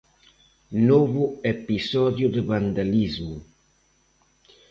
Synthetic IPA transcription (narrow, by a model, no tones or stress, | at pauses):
nɔvuepisɔd̪jud̪əband̪alizmu